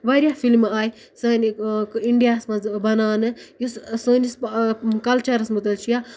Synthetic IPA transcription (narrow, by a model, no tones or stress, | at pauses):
ʋɐɾʲjafilmaːj | səːniiɳɖijaːsmɐzbɐnaːnɨjussəːniskɐlt͡ʃɐɾɐsmɐt̪̬ɐlt͡ʃʰija